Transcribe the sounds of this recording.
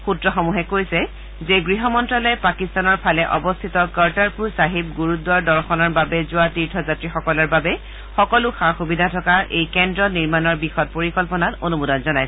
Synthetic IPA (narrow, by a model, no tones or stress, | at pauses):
xutɹɔxɔmuɦɛkojsɛ | zeɡɹiɦɔmɔntɹalɔjpakist̪anɔɹpʰalɛʔɔbɔst̪ʰitɔkaɹtaɹpuɹsaɦip̚ɡuɹut̚dwaɹdɔɹxɔnaɹbabɛzʊatiɹtʰɔzatɹixɔkɔlɔɹbabɛ | xɔkɔlʊxaɹxubidʱatʰɔkaɹʔejkɛndɹɔniɹmanɔɹbixɔt̚poɹikɔlpɔnatonumudɔnzɔnajs